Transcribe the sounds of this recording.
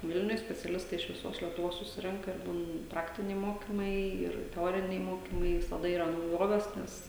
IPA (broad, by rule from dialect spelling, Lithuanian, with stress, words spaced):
ˈʋʲɪlʲnʲʊj sʲpʲɛt͡sʲɛˈlʲɪstɐɪ ɪʃ ʋʲɪˈsoːs lʲiɛtʊˈʋoːs sʊˈsʲɪrʲɛŋkɐ ɪr buːn ˈprɑːktʲɪnʲɛɪ ˈmoːkʲɪmɐɪ ˈɪr tʲɛˈoːrʲɪnʲɛɪ ˈmoːkʲɪmɐɪ ʋʲɪsɐˈdɐ iːˈrɐ nɐʊˈjoːʋʲeːs ˈnʲɛs